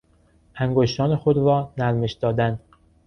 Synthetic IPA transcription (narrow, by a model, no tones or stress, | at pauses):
ʔæŋɡoʃt̪ɒːnexod̪ɾɒːnæɾme̞ʃd̪̥ɒːd̪æn